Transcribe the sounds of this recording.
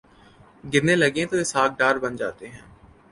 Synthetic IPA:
ɡɪɾneːləɡẽːt̪oːɪːsaːk̚ʰɖaːɾbənd͡ʒa̰ːt̪eːɦɛ̰̃ː

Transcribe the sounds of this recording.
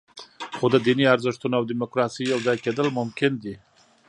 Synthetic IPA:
xod̪əd̪iniaɾzɪʂt̪unaawd̪imʊkɾɑsijawzɑjked̪əlmʊmkɪnd̪i

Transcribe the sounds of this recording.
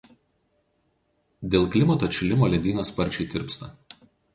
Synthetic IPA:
d̪ʲeːlˠklʲɪmɐt̪oːt͡ʃʲɪlʲɪmoːlʲɛd̪ʲiːnɐspɐɾʲt͡ʃʲɛɪt̪ʲɪ̰ɾpst̪ɐ

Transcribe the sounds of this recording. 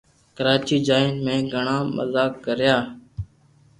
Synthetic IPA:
kəɾaːt͡ʃiːd͡ʒaːɪnmẽːɡʱəɳãːmə̰zaːkːəɾjaː

